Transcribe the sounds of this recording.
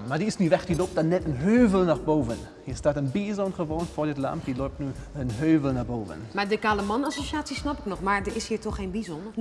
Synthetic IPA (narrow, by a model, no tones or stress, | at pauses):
maːdiɪsniːʋɛχd̥iloːp̚tdanːɛtənɦøːvəlˠnɔχboːvən | hiːɪstaːtənbiːzɔnχəvoːnfɔːɹdɪtla̰mp̚diloːp̚tnuːənɦøːvəlˠnaboːvə̰nmadəkaːləmɑnɑsoʃaːsisnɑpɪknɔχmaːɹdəɪshiːɹtɔχejnbizɔnə